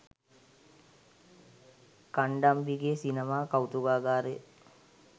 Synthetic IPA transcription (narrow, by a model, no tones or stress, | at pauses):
kaɳɖambiɡesinemaːkawt̪uɡaːɡaːɾe